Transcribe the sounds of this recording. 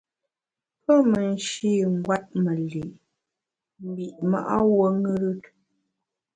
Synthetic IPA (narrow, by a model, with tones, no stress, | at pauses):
pə˦mə˨n˦ʃi˦˨ŋ̩˦ɡwa˦t̚mə˨li˨ | m̩˨bi˨ʔma̰˨ʔa̰˦wo˦ŋɨ˦ɾɨ˦t̚